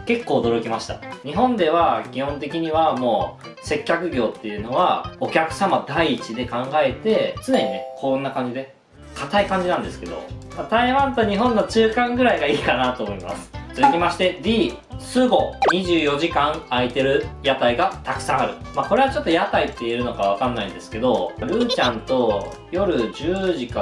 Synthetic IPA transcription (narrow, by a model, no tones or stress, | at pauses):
ke̞kːo̞ːd̪o̞ɾo̞kʲimaɕi̥t̪a̰ɲ̟iɦõ̞nd̪e̞βakʲihõ̞nt̪e̞kʲiɲ̟iβamo̞ː | se̞kʲːakɯ̟ɡʲo̞ːt̪ːe̞jɯ̟no̞βa̰o̞kʲakɯ̟̥samad̪aiːt͡ɕid̪e̞kãŋɡae̞t̪e̞t͡sɨne̞ɲ̟inekʰõnːakãɲ̟d͡ʑid̪e̞ | kʰat̪aikãɲ̟d͡ʑinãnd̪e̞sɨ̥ke̞d̪o̞̰mat̪aiβãnt̪oɲ̟iɦõ̞nːo̞t͡ɕɨːkãŋɡɯ̟ɾaiɡaiːkanat̪o̞ːmo̞ima̰sɨ̥t͡sɨzɨkʲimaɕi̥t̪e̞bʲiː | sɨɡo̞ɲ̟iʑɨːjo̞ʑikãɰait̪e̞ɾɯ̟jat̪aiɡat̪akɯ̟̥sãɰ̃aɾɯ̟maːko̞ɾe̞βat͡ɕo̞t̪ːojat̪ait̪ːeieɾɯ̟no̞kaβakãnːaĩnd̪e̞sɨ̥ke̞d̪o̞ɾɯ̟ːt͡ɕãnt̪o̞ | jo̞ɾɯ̟d͡ʑɨːʑika